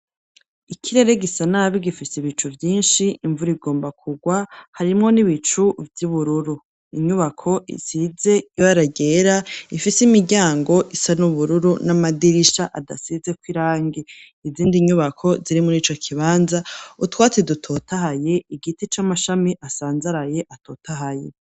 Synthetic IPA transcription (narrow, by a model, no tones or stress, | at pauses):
ikʰiɾe̞ɾe̞ɡisanaβiɡifisiβit͡ʃuvjiːnʃiiɱvuɾiɡo̞ːmbakʰuɡwahaɾimŋo̞niβit͡ʃuvjuβuɾuɾu | iɲuβakʰo̞ʔḭzize̞jojaɾaɡe̞ɾaifisimiɟaːŋɡo̞ʔisanuβuɾuɾunamadiɾiʃaʔada̰size̞kwiɾaːŋɡe | iziːndiɲuβakʰo̞ziɾimoniːt͡ʃo̞kʰiβaːnzautwaːt͡sedutʰo̞tahaje̞iɡitit͡ʃamaʃamiʔasaːnzaɾaje̞ʔato̞ːtaɦajḛ